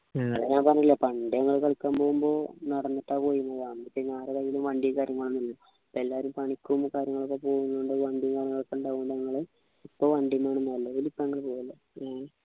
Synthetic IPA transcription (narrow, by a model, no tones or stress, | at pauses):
ɲɐŋːɐ̰ɭeɲaːmpɐrɐɲːilːɐpɐɳɖjɐŋːɐɭkɐɭkʲːaːmpo̞ːɣumbo̞ːnɐɽɐnːɐʈːaːpo̞ːjunːɐʋaːɳipːinaːrɨðɐjilumʋɐɳɖikaːɾjɐŋːɐɭːnːilːɐ | pːɐelːaːʋɐɾumpɐɳikʲːuumkaːɾjɐŋːɐɭokːepo̞ːɣunːuɳɖɨʋɐɳɖimkaːɾjɐŋːɐɭokːeuɳɖaːɣuɖɲɐŋːɐɭe | ipːoːʋɐɳɖjimaːɳɨnɐlːɐʋilipːoɲɐŋːɐɭpoːɣɐlɐ